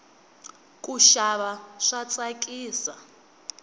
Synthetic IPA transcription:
kʼuʃaβaʂat͡sʼakʼiːsa

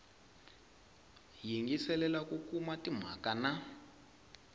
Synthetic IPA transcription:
jiŋɡisɛlɛlakukʰumatʼim̤a̰kana

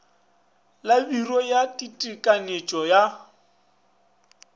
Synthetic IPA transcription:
labirɔjatʼitʼikʼanet͡ʃʼɔja

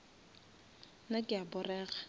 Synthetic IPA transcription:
nakʼɪabʊrɛːɣa

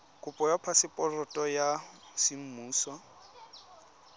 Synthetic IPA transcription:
kʼʊpʼɔjapʰasɪpʼɔrɔtʼɔjasɪm̩muːsɔ

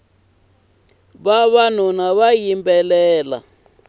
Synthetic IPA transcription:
βaβan̤unaβajimbɛlɛːla̰

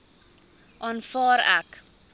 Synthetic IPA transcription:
ʔɑːnfɑːɾæ̰k

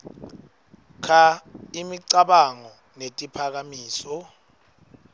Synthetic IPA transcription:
kʰaimiǀaɓaŋɔ | netʼipʰak̬amiːsɔ

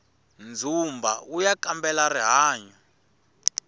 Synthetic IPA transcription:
nd͡zʱumbʱa̰ujakambɛlariɦaːɲɔ

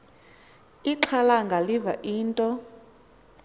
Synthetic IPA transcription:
iǁʰalaŋɡʱalivaʔiːntʼɔ

